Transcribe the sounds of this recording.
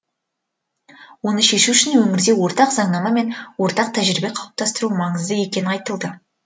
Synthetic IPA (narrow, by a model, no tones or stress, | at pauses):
wo̞nəʃe̞ʃuɪʃɪnwɵŋɪɾd̪e̞wo̞ɾt̪ɑqzɑɴnɑmɑme̞nwo̞ɾt̪ɑq̚t̪ʰæʒɾɪbe̞qʰɑwəp̚t̪ɑst̪əɾumɑɴəzd̪əje̞kʲe̞nɪnɑjt̪əlˠd̪ə